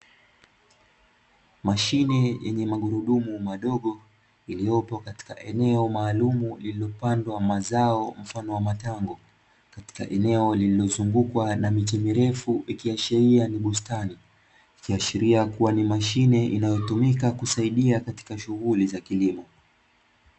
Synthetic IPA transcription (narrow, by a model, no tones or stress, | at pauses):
maʃinɛjɛɲɛmaɠuɾuɗumumaɗɔɠɔ | ilijɔpɔkati̥kaʔɛnɛɔmaːlumulililɔpandwamazaɔm̩fanɔwamataŋɡɔ | kati̥ka̰ʔɛnɛɔlililɔzuŋɡukwanamit͡ʃɛmiɾɛfuʔikiaʃɛɾianiɓustani | ikiaʃiɾiakuwanimaʃinɛʔinajɔtumikakusaiɗiakati̥kaʃuɣulizakilimɔ